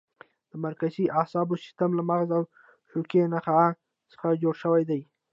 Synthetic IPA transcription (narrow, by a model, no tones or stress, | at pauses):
d̪̥əmaɾkaziʔasɑbosɪ̥st̪amlamaɣzaw | ʃokenaxa | sə̥xad͡ʒoɽʃəwajd̪aj